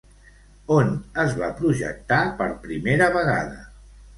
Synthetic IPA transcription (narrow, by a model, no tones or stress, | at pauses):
onəzβapɾuʒə̰k̚t̪apəɾpɾimeɾəβəɣa̰ðə̰